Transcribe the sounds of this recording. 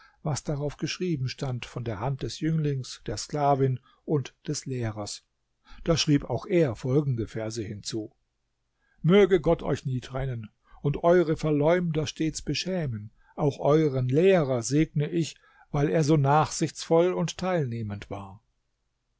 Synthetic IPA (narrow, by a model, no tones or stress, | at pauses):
vasd̥aʁaʊfɡ̥əʃʁ̥iːbm̩ʃtantfɔndeːɐhant̚d̥ɛsjʏŋlɪŋsd̥eːɐsklaːvɪn | ʔʊntd̥ɛsleːʁɐs | d̥aːʃʁ̥iːpaʊxʔeːɐfɔlɡŋ̩dəfɛɐzəhɪnt͡suː | møːɡəɡɔtʰɔ̰ʏçniːtʁ̥ɛnən | ʊntʔɔʏʁəfɛɐlɔʏmdɐʃteːt͡sb̥əʃɛːmən | ʔaʊxʔɔʏʁənleːʁɐzeːɡ̚nəʔɪç | v̥aɪleːɐzoːnaːχz̥ɪçt͡sfɔlʊnttʰːaɪlneːməntv̥aːɐ